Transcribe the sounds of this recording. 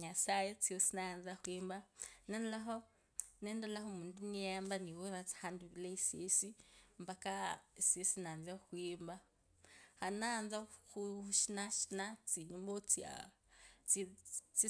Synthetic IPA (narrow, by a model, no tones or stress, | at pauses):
ɲasajet͡siosinanzaxwiːmbanɛnlaɦo | nɛndalahomũnduniambaniwoɾat͡si̥handuβilaisesimbakaisesinanzaxwiːmba | hanand͡zaxuuʃinaʃi̥nat͡siɲumbot͡sia̰ | t͡sit͡si